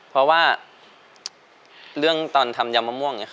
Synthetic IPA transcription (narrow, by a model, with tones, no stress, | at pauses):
pʰɔ˧waː˥˩ | lɯ˥˩əŋt̪ɔː˧˩nt̪ʰa˧mja˧mːa˧mu˦˥˩əŋa˧˩